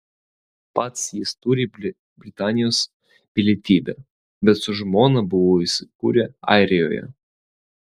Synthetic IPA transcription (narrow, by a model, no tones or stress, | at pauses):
pɑt̪sjɪst̪uɾʲi | bʲɾʲɪt̪ɑːnʲɪjoːs | ʋʲɪlʲeɛt̪ʲiːbʲɛ | bʲɛt̪sʊʒmoːnɐbʊʋoːisʲɪ̥kṵːɾʲɛɑ̰ˑɪɾʲɪjo̰ːjɛ̰